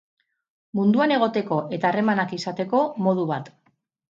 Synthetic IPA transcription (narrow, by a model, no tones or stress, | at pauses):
mund̪uane̞ɣ̞o̞t̪e̞ko̞ʔe̞t̪aːre̞manakisat̪e̞ko̞mo̞ðuβat̪